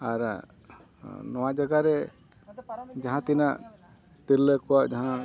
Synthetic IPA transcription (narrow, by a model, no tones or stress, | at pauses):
aɾ | nɔwad͡ʒaɡaɾɛ | d͡ʒaɦãt̪inaʔ | t̪iɾləkɔwaʔd͡ʒaɦã